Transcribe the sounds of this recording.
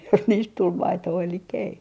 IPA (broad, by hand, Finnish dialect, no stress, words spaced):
jos niːst tul mɑitoː elikːæ̆ ei